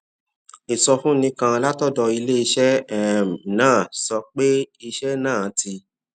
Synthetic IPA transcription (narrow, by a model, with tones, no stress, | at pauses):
i˨sɔ˧fũ˦nĩ˧˦kã˧la˦tɔ˦dɔ˧i˧le˦i˧ʃɛ˦ɛ˦˨m˨nãː˦˨sɔ˧k͡pe˦i˧ʃɛ˦nãː˦˨˦tʰi˧